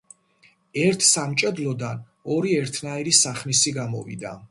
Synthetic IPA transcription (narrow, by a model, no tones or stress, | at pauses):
ɛɾt̪ʰsamt͡ʃʼɛd̪lˠɔd̪an | ɔɾiɛɾt̪ʰnaiɾisaχmisiɡamɔ̰vḭd̪a̰